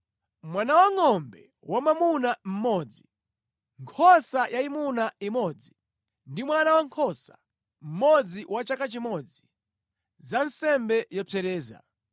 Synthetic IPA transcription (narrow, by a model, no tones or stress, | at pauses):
mwanawaŋɔmbɛ | wamamunam̩mɔːd͡zi | ŋkʰɔsajaimunaimɔd͡zi | ndimwanawaŋkʰɔsḁ̰ | m̩mɔd͡ziwat͡ʃakat͡ʃimɔd͡zi | zansɛmbɛjɔpʰɛɾɛːza̰